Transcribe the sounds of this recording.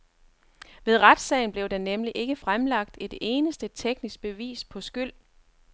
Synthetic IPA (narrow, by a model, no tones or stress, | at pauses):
ʋe̝ð̞ˠʁad̥sɛ̰ɪn̩b̥le̝ʊd̥enemliʔe̝ɡ̥əfʁamlɑ̈ɡ̥̚d̥e̝d̥e̝ːnəsd̥ət͡sʰeɡ̥nisɡ̥̚b̥e̝ʋḭːspʰɒ̽sɡ̥yl̰